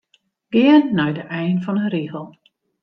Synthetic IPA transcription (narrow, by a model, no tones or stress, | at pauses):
ɡ̥ɪənːɔjdəʔɛjnfɔnənriɣəlˠ